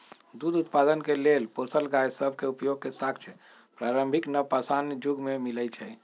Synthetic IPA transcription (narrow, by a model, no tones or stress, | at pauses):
d̪ud̪ut̪pad̪ənkelelposəlɡajsəbʱkeupjoɡ̚kesakʰt͡ʃʰ | pɾaɾəmbʱiknəpasand͡ʒuɡmemilɛt͡ʃʰɛ